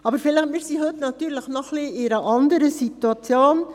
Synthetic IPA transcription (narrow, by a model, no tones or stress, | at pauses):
ɑbəɾfɪləχmɪːɾsiɦɵt̪nɑt̪ːyːɾləχnɔχliɪɾəʔɑnd̪əɾəsituɑt͡sjoːn